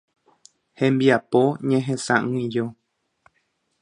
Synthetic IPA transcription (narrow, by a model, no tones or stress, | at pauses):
hẽmbiapoɲẽɦẽsãʔɨ̃ĩjo